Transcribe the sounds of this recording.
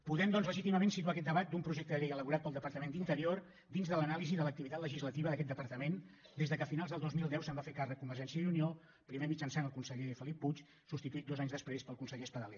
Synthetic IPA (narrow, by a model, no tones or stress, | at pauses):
puðɛmd̪ɔnzləʒit̪iməmensit̪uakɛt̪̚d̪əβat̪̚d̪umpɾuʒek̚t̪əʎejələβuɾat̪̚pəlˠd̪əpəɾt̪əmend̪int̪əɾior | d̪inzðələnaliziðələk̚t̪iβit̪at̪ləʒizlət̪iβəðəkɛt̪d̪əpəɾt̪əmend̪ezðəkəːfinalˠzðəlˠd̪ozmilˠd̪ɛwsəmbafekarək̚kumbəɾʒɛnsiəjunio | pɾimemid͡ʒənsanəlˠkunsəʎefəlipːut͡ʃ | sust̪it̪uit̪d̪ozaɲzðəspɾespəlˠkunsəʎespəðəlɛ